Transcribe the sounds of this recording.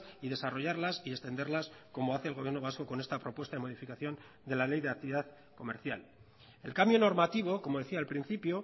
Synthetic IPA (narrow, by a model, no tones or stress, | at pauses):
ið̞e̞saro̞ʝaɾlasie̞st̪e̞nd̪e̞ɾlasko̞mo̞aθe̞lɣ̞ojeɾno̞β̞asko̞ko̞ne̞st̪apɾo̞pwe̞st̪aðe̞moðifikaθjo̞n | d̪e̞lale̞jðe̞akt̪iβiðað | ko̞me̞ɾθja̰l | e̞̰lkambjo̞no̞ɾmat̪iβ̞o̞ko̞mo̞ðe̞θiaːlpɾin̟θipjo